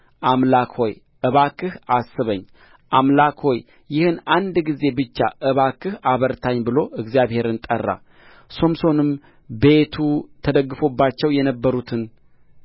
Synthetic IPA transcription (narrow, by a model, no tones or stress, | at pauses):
ʔamlakho̞j | ʔɨβakʰɨhʔasːɨβəɲː | ʔamlakho̞j | jɪhɨnand̪ɡize̞bɨt͡ʃːa̰ʔɨβakɨhaβəɾt̪ʰaɲːbɨlo̞ʔɨɡzjaβhe̞ɾɨnt̪ʼərːa̰ | so̞mso̞nɨm | be̞t̪ʰut̪ʰəd̪əɡːɨfo̞bːat͡ʃːɛwjɛnəbːəɾut̪ʰɨn